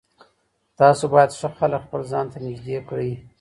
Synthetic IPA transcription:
t̪ɑsobɑjad̪ʂəxaləkxpəlzɑnt̪anɪd͡ʒd̪ekɽəj

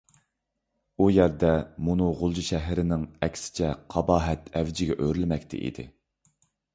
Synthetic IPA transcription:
ujæɾd̪ɛmunuʁʊlˠd͡ʒiʃɛɦɾɪnɪŋɛkʲʰsɪ̥t͡ʃʰɛqʰɑbɑːɦɛt̪ɛvd͡ʒɪɡʲɛʔøɾylmɛkʲt̪ʰɪ̰ʔḭd̪ɪ̰

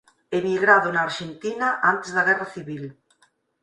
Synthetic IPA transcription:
emiɣɾaðʊnaːɾʃent̪inaʔant̪ezðaɣɛraθiβil

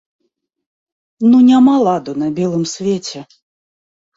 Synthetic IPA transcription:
nunʲamalˠad̪unɐbʲɛlˠɨmsʲvʲet͡sʲɛ

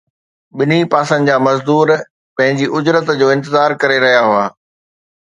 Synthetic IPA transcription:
ɓɪnipaːsə̃n̆d͡ʑaːmɐzd̪uːɾ | pɐ̃ɦɪ̃ɲd͡ʑiʔʊd͡ʑɾət̪d͡ʑoːɪ̃nt̪ɪzaːɾkɐɾeɾɐɦijaɦʊaː

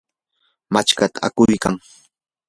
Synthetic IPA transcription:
mat͡ʃkat̪ḁa̰kʊjkaŋ

